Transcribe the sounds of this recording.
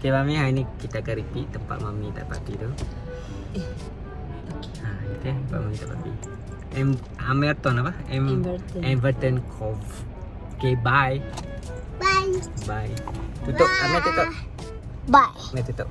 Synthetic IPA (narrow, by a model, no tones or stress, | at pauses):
kemamiɦainikit̪aːkanɾipiʔ̚t̪əmpa̰ʔ̪mamit̪a̰ʔpa̰tit̪u | okeait̪et̪əmpa̰ʔ̚mamĩt̪a̰ʔpa̰tḭ | ɛm | amɛlt̪ɔnapahɛmɛmvəɾt̪ənkʰɔf | kebaj | bajbajt̪ut̪oʔ̚amat̪ut̪o | bajmɛt̪ut̪oʔ